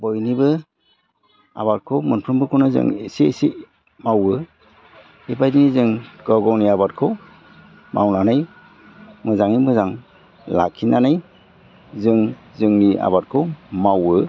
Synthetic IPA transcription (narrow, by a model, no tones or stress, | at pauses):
bɔjnibɯ | a̰βat̚kʰomɯnpʰɾɯmbɯkʰonazɯ̰ŋesisi | mawɯ | ibajdinizɯŋɡ̥ɔɡɔwniabat̚kʰo | mawnanaj | mɯzaŋimɯzaŋ | la̰kʰːinanaj | zɯŋzɯŋnia̰bat̚kʰomawɯ